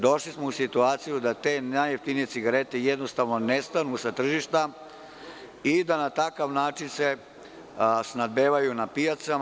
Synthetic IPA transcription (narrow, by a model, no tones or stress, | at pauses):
d̪o̞ʃlismousit̪uaːt̪sijud̪at̪e̞ːnajeft̪inije̞tsiɡaɾe̞t̪ejed̪nost̪aʋno̞nest̪anusat̪r̩ʒiʃt̪a | id̪anat̪akaʋnaːt͡ʃinse | snad̪beːʋajunapijat̪sa